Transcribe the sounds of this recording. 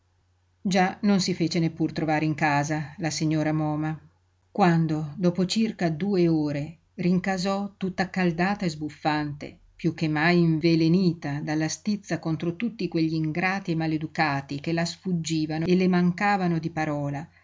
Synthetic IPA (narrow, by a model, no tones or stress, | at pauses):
d͡ʒanonsifeːt͡ʃenepːurt̪ɾʔovaːɾeiŋkaːzalasiɲːoːɾamɔːma | kwand̪od̪ɔːpot͡ʃirkad̪uːeoːɾe | riŋkazɔt̪ːut̪ːakald̪aːt̪aezbufːant̪ḛ | pjuk̟ːemːajiɱveleniːt̪ad̪alːast̪it̪sːakont̪ɾot̪ut̪ːikweʎːiːŋɡɾaːt̪iemaled̪ukaːt̪ikelasfud͡ʒːiːvanoelemaŋkaːvanod̪ipaɾɔːla